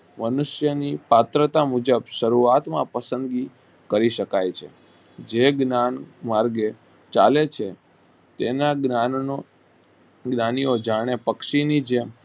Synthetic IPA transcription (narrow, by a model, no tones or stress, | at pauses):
mənʊʃjənipat̪ɾət̪amud͡ʒəbʃəɾuat̪mã̰pəsə̃nd̪ɡi | kəɾiʃəkajt͡ʃʰḛ | d͡ʒeɡnanmaɾɡe | t͡ʃalet͡ʃʰe | t̪enaɡao | ɡnaniod͡ʒaɽ̃epəkʃinid͡ʒe